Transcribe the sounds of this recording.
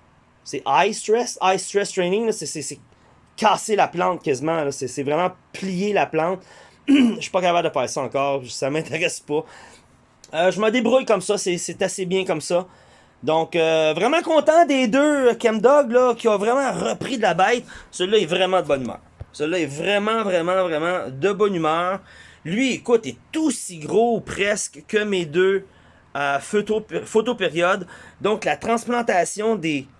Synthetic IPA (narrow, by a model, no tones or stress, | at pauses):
sɛʔajst̪ʁɛsajst̪ʁɛst̪ʁɛnɪŋlʌsesese | kɑːselaplɑ̃t̪̚kʲazimãlɔsesɛvʁɛmãplijelaplɑ̃t̪ | ʃi̥pʌkapabld̪əpɑːseseɑ̃ːkɑːʁsamɛ̃t̪ʰeʁɛspʌ | əʒəməd̪ebʁujkʌmsʌseset̪asebjɛ̃kɔmsʌ | d̪ɔ̃køvʁɛmãkɔ̃ːt̪ãd̪ed̪økʲɛmd̪ɔɡlɔkʲiɔ̃vʁɛmãʁəpʁid̪labɛɪt̪səlʌɛvʁɛmɑ̃d̪əbɔnymœ̰ːʁsəlʌɛvʁɛmɑ̃vʁɛmɑ̃vʁɛmɑ̃d̪əbɔnymœːʁlɥiekʊt̪ɛt̪osiɡʁopʁɛskkəmed̪ø | øfot̪ofot̪opeʁjɔd̪ːɔ̃klat̪χɑ̃splɑ̃t̪asjɔ̃d̪e